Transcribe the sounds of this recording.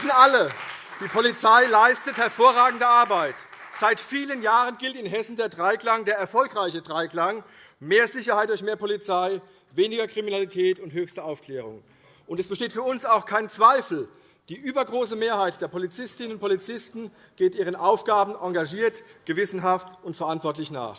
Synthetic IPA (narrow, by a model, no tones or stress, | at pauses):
sn̩aləd̥iːpʰolit͡saɪlaɪstəthɛɐfoːɐʁaːɡŋ̩dəʔaɐbaɪtz̥aɪtfiːlənjaːʁənɡɪltɪnɦɛsn̩deːɐdʁaɪklaŋdeːɐɛɐfɔlkʁaɪçədʁaɪkl̥aŋ | meːɐzɪçɐhaɪt̚d̥ʊɐçmeːɐpʰolit͡saɪ | veːnɪɡɐkʁ̥iminalitʰɛːtʊnthøːçstɐaʊfkl̥ɛːʁ̞ʊŋ | ʔʊntɛsb̥əʃteːtfyːɐʊnsaʊxkʰaɪnt͡sv̥aɪfl̩ | d̥iːʔyːbɐɡʁoːsəmeːɐhaɪt̚d̥eːɐpʰolit͡sɪstɪnənʊntpʰolit͡sɪstn̩ | ɡ̥eːtʔiːʁ̞ənʔaʊfɡ̥aːbn̩ʔaŋɡaʒiːɐtɡ̥əvɪsn̩ɦaftʊntfɛɐʔantv̥ɔɐtlɪçna̰ːχ